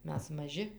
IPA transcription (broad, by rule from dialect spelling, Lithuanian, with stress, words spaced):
ˈmʲɛs mɐˈʒʲɪ